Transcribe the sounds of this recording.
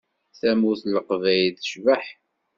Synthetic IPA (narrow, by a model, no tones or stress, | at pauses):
θæmuθləqəvæjðəʃvəħ